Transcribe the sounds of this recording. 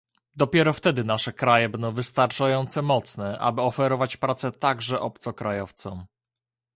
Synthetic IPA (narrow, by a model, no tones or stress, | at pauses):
d̪ɔpʲjɛɾɔft̪ɛd̪ɘnaʂɛkɾajɛbɛnd̪ɔ̃w̃vɘst̪aɾt͡ʂajɔnt̪sɛmɔt̪snɛʔa̰bɘɔfɛɾɔvat͡ɕpɾat̪sɛt̪aɡʐɛʔɔp̚t̪sɔkɾajɔft̪sɔ̃m